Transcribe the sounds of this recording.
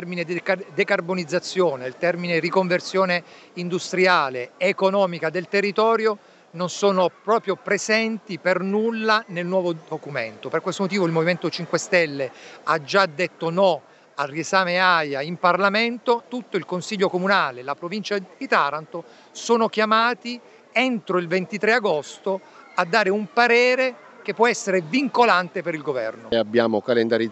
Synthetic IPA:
ɛrmined̪ikd̪ekarbonid̪zːat̪sːjoːneilt̪ɛrminerikoɱversjoːne | ind̪ust̪ɾiaːleekonɔːmikad̪elt̪erːit̪ɔːɾjo | nonsoːnopɾɔːpɾjopɾezɛnt̪ipernulːanelnwɔːvod̪okument̪operkwest̪omot̪iːvoilmoviment̪ot͡ʃiŋkwest̪ɛlːead͡ʒad̪ːet̪ːonɔ | ariesaːmeajaimparlament̪ot̪ut̪ːoilkonsiʎːokomunaːlelapɾovint͡ʃad̪̥it̪aɾant̪o | soːnokjamaːt̪i | ent̪ɾoilvent̪it̪ɾeaɡost̪o | ad̪ːaːɾeumpaɾɛːɾe | k̟epːwɔɛsːeɾeviŋkolant̪epeɾilɡovɛ̰rnoabːjaːmokalend̪aɾi

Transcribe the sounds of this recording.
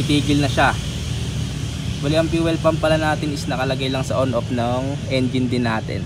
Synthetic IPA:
ɪt̪iːɡɪlnɐʃa | wɐlɪʔɐmpiwɛlpɐmpɐlanaːt̪ɪnɪsnɐkɐlɐɡajlɐŋsɐʔonʔop̚nɐŋ | ʔɛnd͡ʒɪnd̪ɪnaːt̪ɪ̰n

